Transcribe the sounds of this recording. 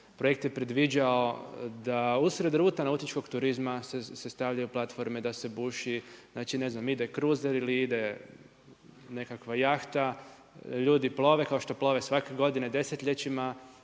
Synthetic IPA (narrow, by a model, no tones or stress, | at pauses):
pɾojek̚t̪je̞pɾed̪ʋid͡ʑao̞d̪ausɾe̞d̪ɾuːt̪anaut̪it͡ʃko̞ɡt̪uɾizmasesest̪aʋʎajuplˠat̪fo̞ɾmed̪ase̞buːʃiznaːt͡ʃine̞znamid̪ekɾuzeɾiliid̪e̞ | ne̞kakʋajaxt̪a | ʎuːd̪iplˠo̞ʋe̞kao̞ʃt̪o̞plo̞ʋesʋake̞ɡo̞d̪ined̪e̞set̪ʎʲe̞t͡ʃima